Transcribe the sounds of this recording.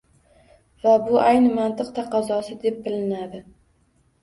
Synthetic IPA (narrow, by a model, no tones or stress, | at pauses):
vabʊʔajnɪmant̪ʰɨqt̪ʰaqʰɒzɒsɪd̪e̞p̚bɪlɪnad̪ɪ